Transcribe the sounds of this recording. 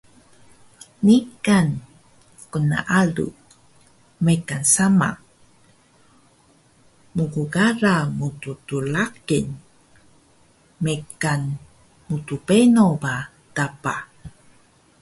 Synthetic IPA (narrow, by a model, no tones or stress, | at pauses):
nikan | kuna̰ʔalṵ | mekansama̰ | muɡuɡaɾamututulakin | mekan | mutupenoba | dapa